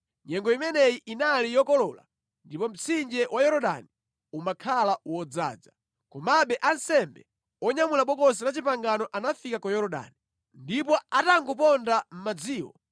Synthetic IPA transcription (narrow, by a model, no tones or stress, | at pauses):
ɲɛŋɡɔimɛnɛjiʔinalijɔkɔlɔla̰ | ndipɔm̩t͡sʰind͡ʒɛwʔajɔɾɔɗa̰ni | umakʰalawɔd͡za̰ːd͡za | kɔmaɓɛʔansɛmbɛ̰ | ɔɲamulaɓɔkɔs̬inat͡ʃipaŋɡanɔʔanafikakɔjɔɾɔɗa̰ːni | ndip̬ɔataŋɡup̬ɔndam̩mad͡ziːwɔ̰